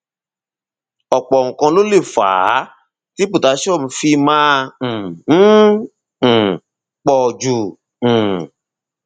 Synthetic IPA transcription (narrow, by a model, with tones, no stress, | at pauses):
ɔ˨k͡pɔ˨ŋ̩˨kã˧lo˦le˦˨fa̰ː˨˦ | ti˦pu˦˨ta˨˧ʃɔ˦˨m̩̃˧fi˧mã˦˨˦ | k͡pɔ˨d͡ʒũ˨